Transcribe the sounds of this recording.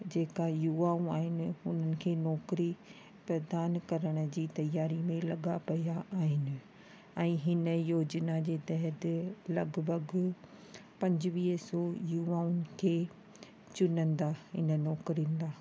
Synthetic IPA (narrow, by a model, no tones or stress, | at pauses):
d͡ʑeːkajuːaːũaːɦɪnɪ̆ɦʊn̤ənɪ̆kʰeːnɔːkɾi | pɾɐd̪aːnkɐɾəɽ̃ə̆d͡ʑiːt̪ɐjaːɾimẽlɐɠapɐjaʔaːɦɪnɪ̆ | ɛ̃ːɦɪnəjoːd͡ʑnad͡ʑeːt̪ɐɦət̪ɪlɐɡbʱəɡ | pɐ̃ɲd͡ʑɪʋiːesɔjuːaːunɪ̆kʰeː | t͡ɕʊnə̃nd̪aɪ̰nə̆nɔːkɾĩːn̆d̪aː